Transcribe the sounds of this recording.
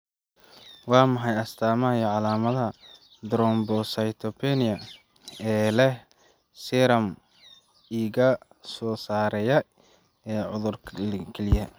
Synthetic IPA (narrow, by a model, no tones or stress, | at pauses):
wɑːmɐħɑjɐst̪ʰaːmɐɐjʕɑlaːmɐðɐ | d̪ɾɔmbɔsɐjt̪ʰɔpʰɛnɪjɐ | ɛːlɛh | sɛɾɐm | iːɣɐ | sɔːsaːɾɛjɐ | ɛːʕʊðʊrʰkʰɛlɪjɐ